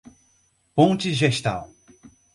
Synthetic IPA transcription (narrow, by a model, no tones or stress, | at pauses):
põnt͡ʃɪʒeʃt̪a̰w